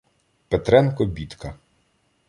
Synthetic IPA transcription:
pet̪ɾɛnkɔbʲit̪kɐ

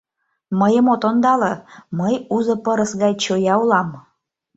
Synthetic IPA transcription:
məjəmot̪ond̪ɑlɤ̆məjuzɤpəɾəsɣɑjt͡ɕojɑulɑm

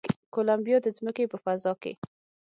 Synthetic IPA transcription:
kolambjɑd̪əzməkepəfazɑkḛ

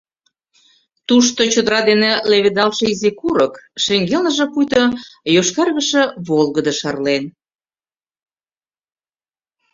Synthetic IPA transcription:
t̪uʃt̪ot͡ɕod̪əɾɑd̪enĕleβed̪ɑlʃəizikuɾəkʃeŋɡelnəʒə̆pujt̪ojoʃkɑrɣəʃə̆βolɣəd̪əʃɑrlen

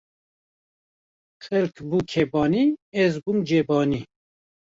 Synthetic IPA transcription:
xɛlkbukʰɛbɑːniɛzbumd͡ʒɛbɑːni

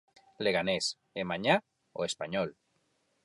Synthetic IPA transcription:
leɣanes | emaɲa | o̰espaɲɔl

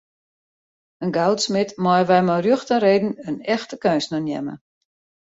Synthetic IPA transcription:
ənɡawtsmɪtmɔjəʋɛjmɔjrjøxtəɾeːdn̩ənɛxtəkøɥsnonjɛ̰mə̰

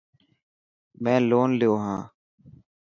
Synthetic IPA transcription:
mɛ̃ːloːnlɪjoːɦã̰ː

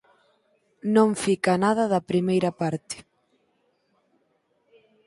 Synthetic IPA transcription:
nõŋfikanað̞ɐðɐpɾimejɾɐpaɾt̪ɪ̥

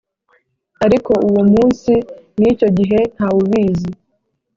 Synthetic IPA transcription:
aɾiko̞uwumuːnsinico̞ɟiɦe̞n̥hawuβiːzi

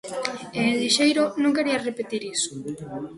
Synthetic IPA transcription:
eŋðiʃejɾonõŋkeɾiɐrepet̪iɾisʊ̥

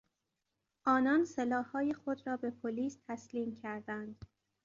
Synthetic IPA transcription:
ʔɒːnɒnse̞lɒːhːɒːjexod̪ɾɒːbe̞pʰoliːst̪ʰæsliːmcʰæɾd̪ænd̪̥

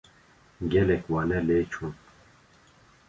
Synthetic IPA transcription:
ɡʲɛlɛkwɑːnɛleːt͡ʃʰun

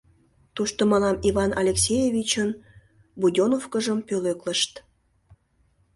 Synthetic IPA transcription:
t̪uʃt̪oməlɑmivɑnɑlʲeksʲejevʲit͡ɕən | budʲonofkəʒəmpøløkləʃt̪

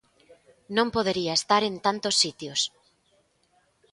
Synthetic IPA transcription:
nõmpoðeɾiaest̪aɾent̪ant̪osːit̪jos

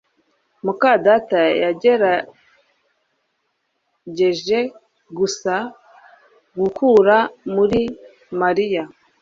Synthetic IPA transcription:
mukadatajaɟe̞ɾa | ɟe̞ʒe̞ | ɡusa | ɡukʰuːɾamuɾi | maɾija

